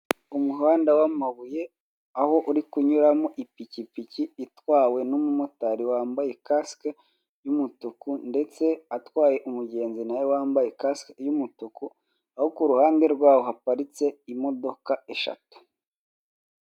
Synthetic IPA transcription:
umuɦaːndawamaβuje̞ | aho̞ʔuɾikuɲuɾamoʔipicipiciːtwaːwe̞nomumotaɾiwaːmbaje̞kaske | jumutukunde̞t͡se̞atwaːje̞ʔumuɟe̞ːnzinajowaːmbaje̞kaskjumutuku | ahokuɾuhaːnde̞ɾɡwaːwohapaɾit͡se̞imo̞do̞kae̞ʃa̰tu̥

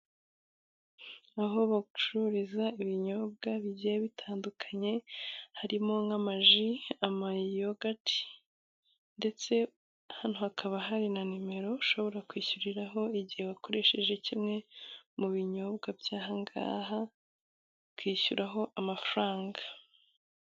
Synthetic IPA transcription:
aɦo̞βaɡut͡ʃuɾizaiβiɲo̞b̚ɡaβiɟejeβitʰaːndukʰḁɲe̞haɾimo̞ŋamaʒiamajijo̞ɡatʰi̥ | nde̞t͡se̞ | haːn̥huhakʰaβaɦaɾinanime̞ɾo̞ʃo̞βo̞ɾakwiːçuɾiɾaɦo̞iɟihe̞βako̞ɾe̞ʃe̞ʒe̞cimŋe̞muβiɲo̞bɡabjaːɦaŋɡa̰ːɦa | kwiːçuɾaɦo̞ʔamafaɾaːŋɡa

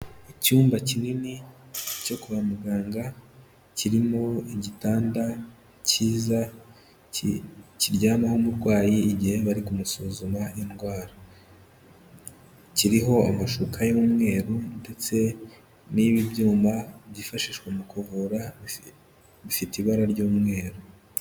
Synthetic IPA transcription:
icuːmbacininico̞kuβamuɡaːŋɡa | ciɾimo̞iɟitaːnda | ciːza | ciɾɟaːnahomuɾɡwaːjiːɟihe̞βaɾikumusuzumainɡwaːɾa | ciɾiɦo̞amaʃukʰajuːmŋe̞ːɾunde̞t͡se̞ | niβibjuːmbaβɟifaʃiʃkwemukuvuɾa | βifitiβaɾaɾɟuːmŋe̞ːɾu

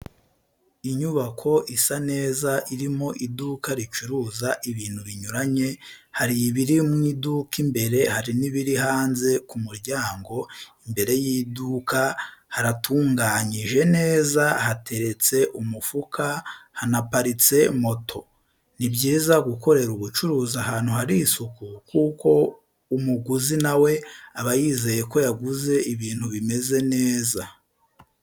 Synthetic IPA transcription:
iɲuβakʰo̞ʔisane̞ːzaʔiɾimo̞ʔidukaɾit͡ʃuɾuːzaʔiβiːnhuβiɲuɾaɲe̞haɾiiβiɾimŋiːdukimbe̞ɾe̞haɾiniβiɾihaːnze̞kumuɾɟaːŋɡo̞imbe̞ɾe̞jiːdukahaɾatuːŋɡaɲiʒe̞ne̞ːzahatʰe̞ɾe̞t͡se̞ʔumufukʰahanapaɾit͡se̞mo̞tʰo̞ | nibɟiːzaɡuko̞ɾe̞ɾuβut͡ʃuɾuːzaɦaːn̥huhaɾisukukuːko̞ | umuɡuzinawe̞aβajiːze̞je̞ko̞jaɡuze̞ʔiβiːn̥huβime̞ze̞ne̞ːza

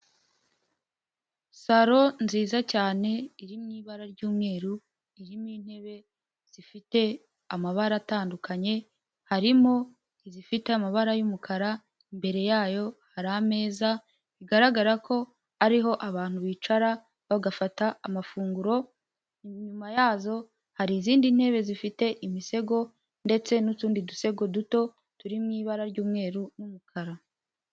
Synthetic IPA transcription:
saɾo̞nziːzacaːne̞iɾimŋiːβaɾaɾɟuːmŋe̞ːɾu | iɾimɲiːn̥he̞βe̞ | z̥ifite̞ | amaβaɾataːndukaɲe̞ | haɾimo̞ | izifite̞amaβaɾajumukʰaɾa | imbe̞ɾe̞jaːjo̞haɾaame̞ːza | βiɡaɾaɡaɾakʰo̞ | aɾiɦo̞ʔaβaːn̥huβiːt͡ʃaɾa | βaɡafataamafuːŋɡuɾo̞ | ɲumajaːzo̞ | haɾiziːndin̥he̞ːβe̞zifite̞ʔimise̞ɡo̞ | nde̞t͡se̞nutuːndiduse̞ɡo̞duto̞ | tuɾimŋiːβaɾaɾɟuːmŋe̞ːɾunumukʰaɾa

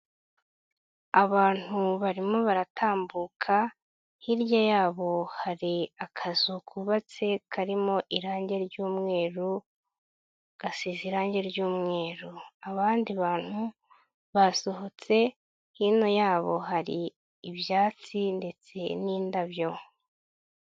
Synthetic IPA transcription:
aβaːn̥huβaɾimo̞βaɾataːmbuːkʰa | hiɾjajaːβo̞haɾiakʰazukʰuβat͡se̞kʰaɾimo̞ʔiɾaːɲɟe̞ɾɟuːmŋe̞ːɾu | ɡ̥asiziɾaːɲɟe̞ɾɟuːmŋe̞ːɾuaβaːndiβaːn̥hu | βaso̞ho̞t͡se̞ | hino̞jaːβo̞̰ɦaɾiː | βjaːt͡sinde̞t͡se̞niːndaβjo̞

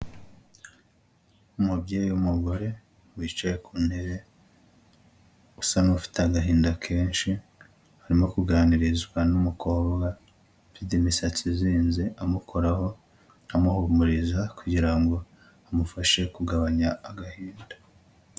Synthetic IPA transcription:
umubɟeːjiumuɡo̞ɾe̞ | mwiːt͡ʃajekʰuːnhe̞ɾe̞ | usanufi̥teaɡaɦiːndakʰe̞ːnʃi | haɾimo̞kuɡaniɾizɡwanumukʰo̞ːβɡa | fidimisat͡siziːnzeʔamukʰo̞ɾaho̞ | amuhumuɾizakuɟiɾaŋɡo̞ | amufaʃe̞kuɡaβaɲaːɡahiːndḁ

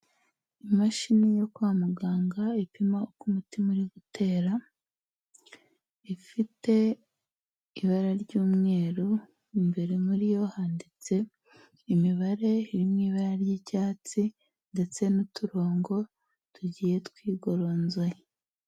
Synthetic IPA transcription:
imaʃinijo̞kwaːmuɡaːŋɡaipimaokumutimuɾiβutʰe̞ːɾa | ifite̞ | iβaɾaɾɟuːmŋe̞ːɾu | imbe̞ɾemuɾijo̞haːndit͡se̞ː | miβaɾe̞iɾimŋiːβaɾaɾjicaːt͡si | nde̞t͡se̞nutuɾoːŋɡo̞ | tuɟiːje̞twiːɡo̞ɾo̞ːnze

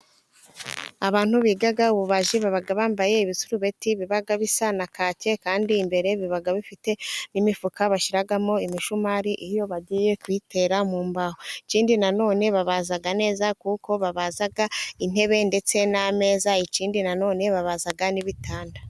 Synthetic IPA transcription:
aβaːn̥huβiɡaɡauβuβaʒiβaβaɡaβaːmbaje̞iβisuɾuβe̞tiβiβaɡaβisanakaːce̞kaːndiːmbe̞ɾe̞βiβaɡaβifite̞nimifukaβaʃiɾaɡamo̞imiʃumaːɾiʔijo̞βaɟije̞kwite̞ːɾamuːmbahoit͡ʃiːndinano̞ːne̞βaβazaɡane̞ːzakuko̞βaβaːzaɡain̥e̞βe̞nde̞t͡se̞name̞ːzait͡ʃiːndinano̞ːne̞βaβazaɡaniβitʰaːnda

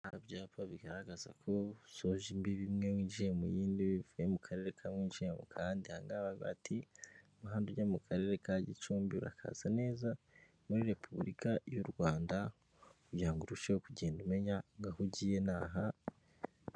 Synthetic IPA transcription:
haabjaːpʰaβiɡaɾaɡaza̰kʰo̞soʒimbiβimŋe̞mwiːʒihemṵjiːndiβivujemukʰaɾe̞ɾekʰamwiːʒihemṵkʰaːndihaːŋɡaβaβa̰tʰi | muɦaːnduɟamukʰaɾe̞ːɾekaɟit͡ʃuːmbiṵɾa̰kʰa̰z̥ane̞ːza | muɾiɾe̞pʰuβɾikajuɾɡwaːnda | ujaːŋɡuɾuʃeokuɟe̞ːndume̞ɲaŋɡahuɟiːjenaːɦa

